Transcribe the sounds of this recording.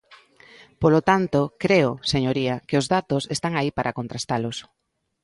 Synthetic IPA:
polot̪ant̪okɾeoseɲoɾiɐkeozðat̪osest̪aŋaipaɾʔakont̪ɾast̪alos

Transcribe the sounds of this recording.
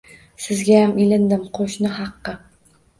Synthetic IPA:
sɪzɡʲajamilɪnd̪ɪmqʰoʃnɪɦɑqːɨ

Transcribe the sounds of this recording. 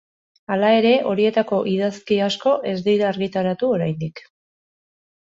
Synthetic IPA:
alae̞ɾe̞ʔo̞ɾie̞t̪ako̞ʔiðaskiasko̞ʔe̞zd̪iɾaːɾɣit̪aɾat̪uo̞ɾajnd̪ik

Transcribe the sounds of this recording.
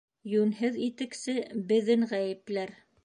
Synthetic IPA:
jʉnɦɘðit̪ɘ̆ksɘbɘ̆ðɘŋʁæjɘ̆plæɾ

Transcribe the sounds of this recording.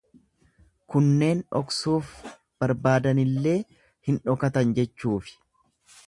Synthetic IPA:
kʊnːe̞ːnᶑɔ̰ksuːf | b̥ɐɾbaːd̪ɐnɪlːe̞ː | hɪnᶑɔkɐt̪ɐnd͡ʒɛt͡ʃːuːfɪ̥

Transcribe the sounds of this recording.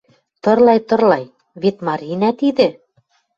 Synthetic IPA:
t̪ɤ̆rlˠɑjt̪ɤ̆rlˠɑj | βet̪mɑɾʲinæt̪iðɘ̆

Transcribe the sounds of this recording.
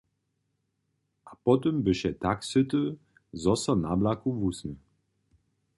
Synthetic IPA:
ʔapɔtəmbəʃɛtʰakshʏtə | zɔsɐnablakuvusnə

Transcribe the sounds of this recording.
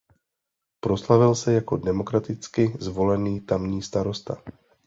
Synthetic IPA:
pɾo̞slavɪlsɛjako̞dɛmo̞kɾat̪ɪt͡skɪzvo̞lɛniːt̪amɲiːst̪aɾo̞st̪a̰

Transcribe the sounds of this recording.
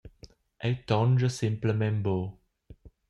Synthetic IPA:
ʔetɔ̃nd͡ʒəsɪ̃mpləmɛ̃mbo

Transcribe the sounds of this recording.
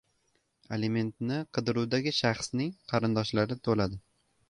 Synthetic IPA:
eleme̞nt̪nɪqʰɨd̪ɪɾuwd̪aɡʲɪʃɑχsnɪŋqʰɑɾɪnd̪ɒʃlaɾɪt̪ʰolad̪ɪ

